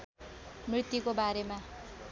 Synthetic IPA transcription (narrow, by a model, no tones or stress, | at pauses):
mrit̪jukobaɾema